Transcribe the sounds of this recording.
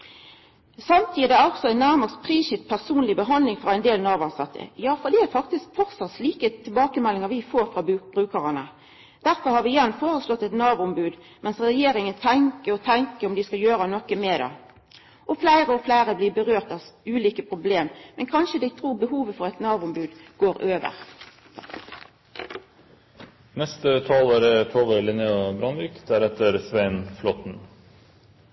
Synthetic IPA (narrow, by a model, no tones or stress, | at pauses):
sɑmt̪ʰiːd̪ɛæɾɔksɔæɪnːæʁmɑʁspʰɾiːʃɪt̪̚pʰæʁsuːnlɪbəɦɑnd̪lɪŋfɾɑæɪnd̪eːlnɑːʋɑnsɑt̪ʰːə̰jɑːfɔʁd̪iːæfɑkt̪ɪskfɔʁsɑt̪sliːkət̪ʰɪlbɑːkəmɛlːɪŋəʋɪfoːɾfʁɑbb̥ʁʉːkɑʁɑnə̰ | d̪̥æɾfɔɾhɑɾʋɪɪjɛnːfoːɾəslɔt̪ːɛt̪nɑːʋʊʊmbʉːd̪ | mɛnsʁɛjeːɾɪŋənt̪ʰɛŋkəɾɔt̪ʰɛŋkəɾɔmd̪ɪskɑjøːɾənɔkːəmɛːd̪ɑ̰ | ʔɔflæɪʁəɔflæɪɾəblɪːbəʁøːʁt̪ɑʋʉːliːkəpʰʁʊbleːmmɛnkʰɑnʃəd̪æɪt̪ʰɾuːbəɦuːʋəfɔʁɛt̪nɑːbʊmbʉːd̪ɡ̥oːɾøːʋə̰ʁ | nɛst̪ət̪ʰɑːlæɾət̪ʰoːʋəɾlɪnəobɾɑnɾɪkd̪æɾɛt̪əɾsʋæɪnflɔt̪n̩